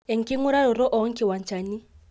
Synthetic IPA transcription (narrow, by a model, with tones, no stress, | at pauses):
ɛ˨ŋ̩˨kɪ˦ŋʊ˦ɾa˦ɾɔ˨ɾɔ˦ʔɔ˨˦ŋ̩˦kɪ˦˨wa˨n˨t͡ʃa˨ni˦